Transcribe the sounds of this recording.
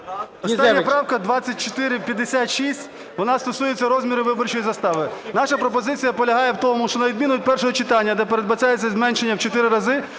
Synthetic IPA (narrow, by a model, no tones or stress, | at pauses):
ɔsnʲːɐpɾɑwkɐd̪ʋɑt͡sʲːɐt̚ʲt͡ʃɔt̪ɪɾɪwpʲjɐd̪ːesʲat̪ʃisʲtʲ | ʋɔnɑst̪ɔsujet͡sʲːɐɾɔzʲmʲiɾɪʋɪbɔrt͡ʃɔjizɐst̪ɑʋɪnɑʃɐpɾɔpɔzɪt͡sʲijɐpɔlʲɐɦɑjɛwt̪ɔmʊʃt͡ʃɔnɐʋʲid̪̚ʲmʲinʊt̚ʲpɛrʃɔɦɔt͡ʃɪt̪ɑnʲːɐd̪ɛpeɾed̪̚bɐt͡ʃʲajet͡sʲːɐzmɛnʃenʲːɐwt͡ʃɔt̪ɪɾɪɾɐzɪ